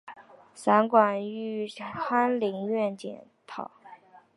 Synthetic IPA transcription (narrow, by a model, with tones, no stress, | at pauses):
sa˧˥nkwa˨˩ny˥˩tʰwa˥nli˧˥ŋɥɛ˥˩nt͡ɕjɛ̰˧˩n | t̪ʰɑ̰˨˩˦